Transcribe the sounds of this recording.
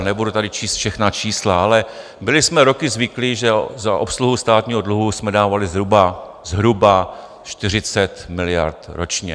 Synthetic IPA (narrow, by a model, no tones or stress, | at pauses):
nɛbudut̪adɪt͡ʃiːst̪fʃɛxnat͡ʃiːslaalɛ | bɪlɪsmɛɾo̞kɪzvɪkliʒɛzaʔo̞psluɦust̪aːt̪ɲiːɦo̞dluɦusmɛdaːvalɪzɦɾuba | zɦɾuba | ʃt̪ɪr̝ɪt͡sɛt̪mɪlɪja̰ɾt̪ɾot͡ʃɲɛ̰